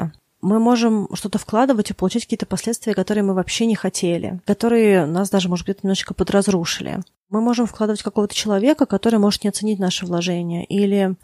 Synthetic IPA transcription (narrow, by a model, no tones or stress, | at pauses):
ə̰ | mɨmo̞ʐɨmʂt̪ot̪əfklˠad̪ɨvətʲipəlˠʊt͡ɕætʲkɐkʲiːət̪əpɐsʲlʲet̪st̪vʲɪjəkɐt̪o̞ɾɨjəmɨvɐpɕːenʲɪxɐtʲʰelʲɪ̰kɐt̪o̞ɾɨjɪnasd̪aʐɨmoʐət̪ɡdʲet̪ənɪmno̥ːt͡ɕʲkəpəd̪ɾɐzɾuʂɨlʲɪ̰ | mɨmo̞ʐɨmfklˠad̪ɨvətʲkɐko̞vət̪ət͡ɕɪlˠɐvʲekəkɐt̪o̞ɾɨjmo̞ʐɨt̪nʲɪɐt̪sɨnʲit̚ʲnaʂɨvlˠɐʐɛnʲɪjə̰ʔilʲɪ